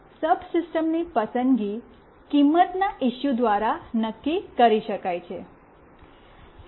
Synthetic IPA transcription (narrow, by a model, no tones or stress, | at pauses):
səbsisʈəmnipəsənd̪ɡi | kimːət̪naʔiʃjud̪ʋaɾanəkːikəɾiʃəkajt͡ʃʰe